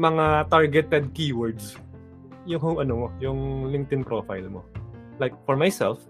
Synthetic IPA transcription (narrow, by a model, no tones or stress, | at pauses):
mɐŋat̪aɹɡɛt̪ɛd̪̚kiːwɔɹd̪s | jʊŋhʊŋɐnomojʊŋlɪŋt̪ɪnpɾoːfa̰jlmo | lajk̚fɔɹmajsɛ̰lf